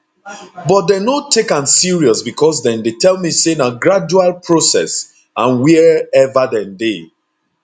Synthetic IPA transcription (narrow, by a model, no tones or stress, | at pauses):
bɔt̚denotʰːekãnsiɹiɔsbikʰɔs̬dɛ̃ndetʰɛlˠmisenaɡɹad͡ʒualˠpʰɹosɛ̰s | ãnwiɛvadɛ̃nde